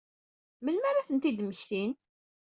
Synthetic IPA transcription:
məlmæɾaθənt̪id̪məçθin

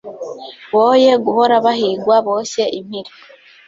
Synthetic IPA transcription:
βoːjeɡuhoɾaβahiɡwaβoseʔimiɾi

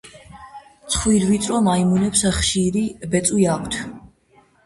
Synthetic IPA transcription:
t̪sʰχwiɾvit̪sʼɾɔmaimunɛpsaχʃiɾibɛt̪sʼwiakʷʰt̪ʰ

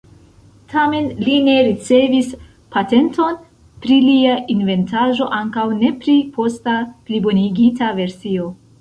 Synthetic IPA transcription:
tʰame̞nline̞ɾit͡se̞vis | pate̞nto̞n | pɾiliainve̞ntaʒo̞ʔaŋkawne̞pɾipʰo̞staplibo̞niɡitave̞ɾsio̞

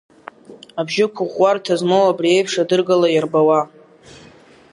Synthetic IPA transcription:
abʒɪkʷʰʊʁʷartʰazmowabrie̞jpʰʂadɨrɡalajarbawa

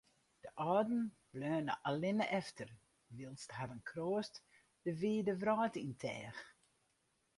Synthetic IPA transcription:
d̥əʔɔːdn̩ | blœːnə̰ʔalɪnʔɛftʰər | ʋilˠsthadənkʰroːəst | d̥əʋiːdəvrɔːtintʰɛːx

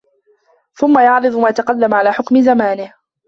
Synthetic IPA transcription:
θʊmːajɑʕɾɨd̪ˤʊmaːjat̪aqɑlːamʕalaːħʊkmɪzamaːnɪh

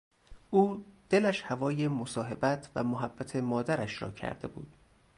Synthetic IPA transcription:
ʔuːd̪̥elæʃhævɒːjemosɒːɦe̞bæt̪ʰvæ̰moɦæbːæt̪ʰe̞mɒːd̪æɾæʃɾɒ̰ːcʰæ̰ɾd̪̥e̞̰bṵːd̪̥̚

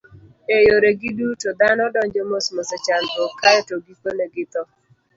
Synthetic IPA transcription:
ejoɾeɡɪdutod̪anɔdɔɲd͡ʒɔmosmɔsɛt͡ʃant̪ɔkajɔtoɡikoneɡɪt̪ɔ

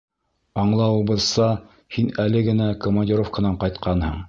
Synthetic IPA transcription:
ɑɴlˠɑwɤ̆bɤ̆lsɑ | hinælɘɡɘ̆nækomɐnʲdʲiɾofkənɑɴqɑjt̪qɑnhɤɴ

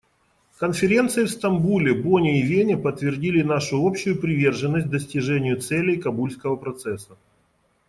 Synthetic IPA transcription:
kənfʲɪɾʲe̞nt̪sɨjɪfst̪ɐmbulʲɪbonʲɪɪvʲenʲɪpət̪ːvʲɪrdʲilʲɪnaʂʊopɕːʊjʊpɾʲɪvʲe̞rʐɨnːəsʲt̚ʲd̪əsʲtʲɪʐɛnʲɪjʊt̪sɛlʲɪjkɐbulʲskəvəpɾɐt̪sɛsːə

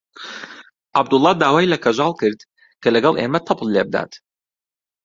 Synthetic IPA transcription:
ʔab̚d̪ʊlˠːɑːd̪aːwaːjlɐkʰɐʒɑːlˠkɨɾd̪ | kʰɐlɐɡɑlˠʔḛːmɐt̪ʰɑpʰllebɨd̪a̰ːt̪

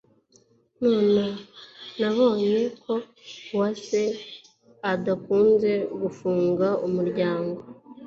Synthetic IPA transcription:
noːnanaβo̞ːɲe̞kʰo̞ | wase̞ | adakuːnze̞ɡufuːŋɡaumuɾɟaːŋɡo̞

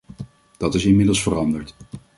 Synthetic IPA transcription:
d̥ɑtɪsɪnmɪdəlˠsfərɑndəɹt

